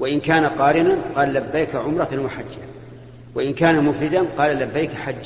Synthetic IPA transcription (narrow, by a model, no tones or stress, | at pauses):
waʔɪnkaːnaqɑːɾɪnanqɑːllabːajkaʕʊmɾˤɑnwaħad͡ʒːa | waʔɪnkaːnamʊfɾɪd̪anqɑːlalabːajkħad͡ʒː